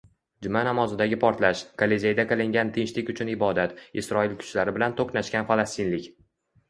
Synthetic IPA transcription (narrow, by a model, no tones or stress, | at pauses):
d͡ʒʊmanamɒzɪd̪aɡʲɪpʰɒɾt̪laʃkʰalezʲejd̪aqɨlˠɪŋɡʲant̪ʰɪŋt͡ʃlɪkʲʊt͡ʃʰʊnɪbɒd̪at̪ɪsɾɒɪlkʰʊ̥t͡ʃlaɾɪbɪlant̪ʰoqnaʃkʲanfalˠast̪ɪnlɪkʲ